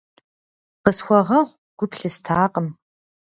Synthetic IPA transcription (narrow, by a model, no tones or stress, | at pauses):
qəsxʷɔʁɐʁʷ | ɡ̥ʷʊpɬɨstʰaːqəm